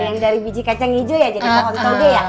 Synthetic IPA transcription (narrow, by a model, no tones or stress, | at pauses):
jaŋdaɾibid͡ʒikat͡ʃaŋid͡ʒojad͡ʒadit̪akɔnt̪ɔɡeja